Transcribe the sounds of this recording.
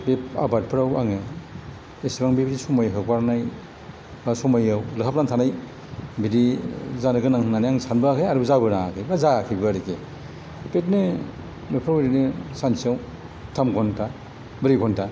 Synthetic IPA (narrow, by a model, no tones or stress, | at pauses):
bepa̰bat̚pʰɯɾawaŋe | esibaŋbebidisɔmajɦɯkwaɾnaj | basɔmajawlɯkʰap̚naŋtʰanaj | bidizanɯɡɯnaŋnanijaŋsʰanbaakʰɯjaɾɯbzabɯnakʰɯjbazakʰɯjbɯɾike | pet̚nɯ | bepʰɾaweɾinɯsansiaw | tʰamɡɔntʰa | bɯɾikɔnta